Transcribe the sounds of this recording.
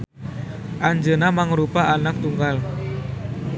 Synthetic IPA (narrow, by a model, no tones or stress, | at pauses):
ʔaɲd͡ʒənamaŋɾupaʔanak̚t̪uŋɡal